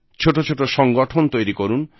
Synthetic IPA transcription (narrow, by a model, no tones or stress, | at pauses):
t͡ʃʰoʈot͡ʃʰoʈoʃɔŋɡɔʈʰont̪ojɾikɔɾun